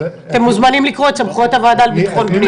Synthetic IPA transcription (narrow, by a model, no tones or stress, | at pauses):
t̪emːuzmanimlikʁo̞t̪t͡samχot̪avad̪albit̪ḁχonkni